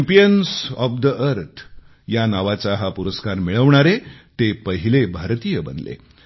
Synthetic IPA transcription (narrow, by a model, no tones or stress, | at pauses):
mpijənsɔfd̪əʔəɾt̪ʰ | janaʋat͡saɦapuɾəskaɾmiɭəʋɳ̃aɾet̪epəɦilebʱaɾt̪ijəbə̰nlḛ